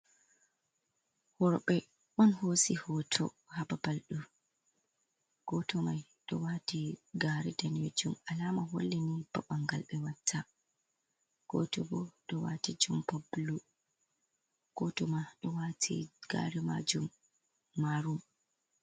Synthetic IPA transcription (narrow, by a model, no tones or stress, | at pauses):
hɔɾɔɓɛ | ɓɔnhosihɔtʰɔ | hababalɗu | ɡ̥ɔtɔmajɗɔwaːtiɡaɾɛdaned͡ʒumalaːmaɦo̰lːɛnib̥aɓaŋɡalɓɛwatʰːa | ɡ̥ɔtɔbɔɗɔwatid͡ʒumpablu | ɡ̥ɔtɔmaɗɔwatʰḭɡ̥a̰ɾɛma̰d͡ʒumː | aɾum